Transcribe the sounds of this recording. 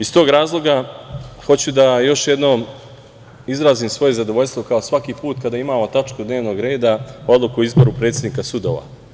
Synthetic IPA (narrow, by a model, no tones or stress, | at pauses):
ist̪o̞ːɡɾaːzlˠo̞ɡaxo̞t͡ɕud̪ajo̞ʃje̞d̪no̞ːm | izɾaːziːmsʋo̞jezad̪oʋo̞ʎʲst̪vo̞kaosʋakiːpuːt̪kad̪aːimaːmo̞t̪at͡ʃkud̪ne̞ːʋno̞ːɡɾe̞ːd̪ao̞d̪lˠukuizbo̞ɾupɾe̞ːt̪sʲjʲed̪niːkasud̪oːʋa̰